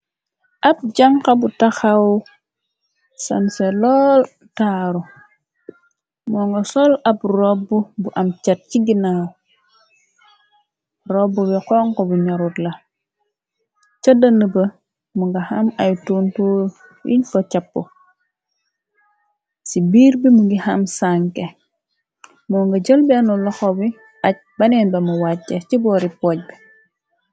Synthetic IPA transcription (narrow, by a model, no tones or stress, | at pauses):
ʔap̚d͡ʒaŋkabutaxaw | sanselɔːl | taɾu | mɔŋɡosɔlapɾobːubuʔamt͡ʃat̚t͡ʃiɡina | ɾobːubɛkɔŋkobuɲɔɾutla | t͡ʃɐdɐnəbɐ | muŋɡɐhamajtuntuː | jḭɲkɔt͡ʃɐpːu | sibiːɾbimuŋɡihamsaŋke | mɔːŋɡɐɟəlbɛnulɔxɔbi | ɐc̚bɐnɛnbɐmuwatːet͡ʃibɔːɾipɔːɟ̚bi